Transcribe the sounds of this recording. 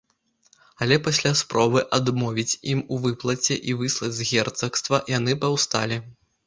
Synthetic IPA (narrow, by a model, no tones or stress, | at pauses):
ɐlʲɛpasʲlʲaspɾɔbɨʔad̪mɔvʲit͡sʲimuvɨplˠɐt͡sʲɛʔivɨslˠɐd͡zʲzɣʲɛrt̪sɐkst̪vɐjanɨpawst̪alʲi